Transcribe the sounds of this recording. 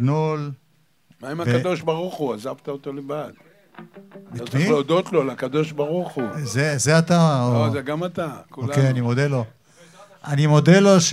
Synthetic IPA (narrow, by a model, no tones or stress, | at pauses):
nul | maimavkeado̞ʃbaʁuχuazavt̪aot̪olevad̪̥ | biat̪ileod̪ot̪lolakad̪o̞ʃbaʁuχuzezeat̪aoozeɡamat̪akuokejanimod̪elo̞ | animo̞d̪eloʃ